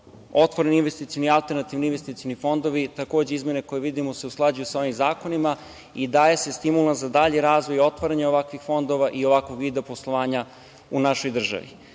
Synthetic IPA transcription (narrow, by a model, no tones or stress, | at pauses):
o̞t̪ʋoɾeninʋest̪it̪sionialˠt̪eɾnat̪ivninʋest̪it̪sionifo̞nd̪o̞ʋit̪akoːd͡ʑeizmjene̞ko̞jeʋid̪imose̞usklˠad͡ʑujusao̞ʋimzaːko̞nima | id̪ajese̞st̪imulˠanzad̪aʎeɾaːzʋo̞jo̞t̪ʋaɾaɲaoʋakʋixfo̞nd̪o̞ʋaʔio̞ʋakʋo̞ɡid̪eoposlˠoʋaːɲa | unaʃo̞jd̪r̩ʒa̰ʋḭ